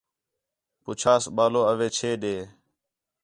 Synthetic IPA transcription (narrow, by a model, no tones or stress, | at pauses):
pʊt͡ʃʰaːsɓaːloːəʋeːt͡ʃʰeːɗeː